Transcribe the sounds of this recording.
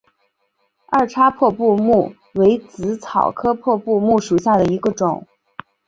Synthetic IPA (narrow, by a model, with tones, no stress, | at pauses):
a˥˩ʈ͡ʂʰa˥pʰwɔ˥˧pu˥˧mu˥˩ | we˧˥ɪt͡sɹ̩˧˥t͡sʰɑ˨˩ʊkʰɤ˥pʰwɔ˥˧pu˥˧mu˥˩ʂu˨˩ɕja˥˩d̪ə˩i˧˥ɡə˧ʈ͡ʂʊ˨˩˦ŋ